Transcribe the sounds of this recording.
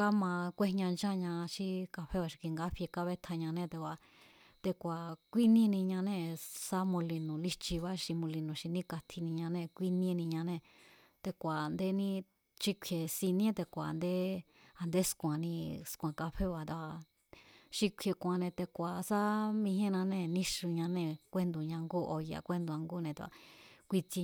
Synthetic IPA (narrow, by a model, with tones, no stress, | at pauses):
ka˦mã˧kʷe˦ɲã˧nd͡ʒã˦˧ɲã˧ʃi˧ka˧ɸe˦βa˧ʃi̥˧kʷi˧ŋɡa˦ɸje˧ka˦βe˦t̪ʰa˧ɲã˧nẽ˦˧t̪e˧wʷa˧ | t̪e˧kʷa˨kʷi˦nĩ˦˧nĩ˧ɲã˧nẽ˦˧sa˦mũ˧li˧nũ˨li˧t͡ʃi˧βa˦ʃi˧mũ˧li˧nũ˨ʃi˧nĩ˦ka˧t̪ʰi˧nĩ˧ɲã˧nẽ˧˨˧kʷi˦nĩ˦˧˦nĩ˧ɲã˧nẽ˧˨ | t̪e˧kʷa˨˧nd̪e˦nĩ˦˧ | t͡ʃi˧kʷʰe˨si˧nĩ˦t̪e˧kʷa˨˧nd̪e˦ | a˧nd̪e˦skʷã˨nĩ˧skʷã˨˧ka˧ɸe˦βa˨t̪a˧˨ | ʃi˧kʷʰe˧kʷã˧nẽ˧t̪e˧kʷa˨sa˦mĩ˧hẽ˦˧nã˧nẽ˧˨nĩ˦ʂu˧ɲã˧nẽ˧kʷe˦nd̪u˧˨ɲã˧ŋɡu˦ʔo˧ja̰˧˨kʷe˦nd̪u˧ã˧ŋɡu˦˧nẽ˧t̪a̰˧kʷi˧t͡si˧